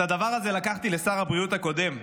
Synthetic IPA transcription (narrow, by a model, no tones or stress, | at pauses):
ad̪avaʁazelakaχt̪ile̞saʁabʁijut̪ako̞d̪e̞m